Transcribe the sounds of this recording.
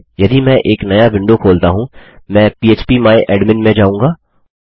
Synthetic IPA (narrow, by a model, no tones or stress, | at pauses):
jɐd̪imɛ̃ːʔeːknɐjabɪ̃ɳɖokʰoːlt̪aɦũmɛ̃ːpiːeːt͡ʃpimaːeʔɛːɖmɪ̃nmẽd͡ʒaːũːŋɡaː